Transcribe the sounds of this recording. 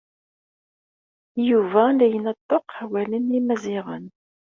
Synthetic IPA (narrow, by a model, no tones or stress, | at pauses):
juvænd̪æjənət̪ˤːoqħawælənimæziʁə̰n